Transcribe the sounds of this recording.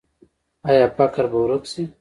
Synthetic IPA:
ajapakaɾbawɾuksi

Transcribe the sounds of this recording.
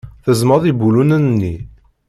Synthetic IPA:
θəzməðˤibulunənnːi

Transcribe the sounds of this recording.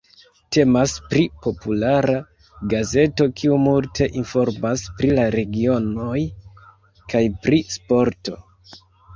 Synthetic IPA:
te̞maspɾipo̞pulaɾa | ɡaze̞to̞kʰiumultʰe̞ʔinfo̞ɾmaspɾilaɾe̞ɡio̞no̞j | kajpɾispo̞ɾto̞

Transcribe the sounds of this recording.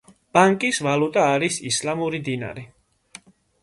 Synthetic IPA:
b̥ʼaŋkʼisvalut̪ʼaːɾisislamuɾid̪ina̰ɾi

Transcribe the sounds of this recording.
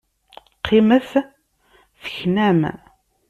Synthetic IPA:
qʰːɪməθ | θəçnæm

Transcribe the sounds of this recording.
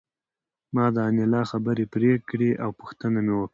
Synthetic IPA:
mɑd̪əanelɑxabəɾepɾekɽeʔawpʊxt̪ənamewəkɽa

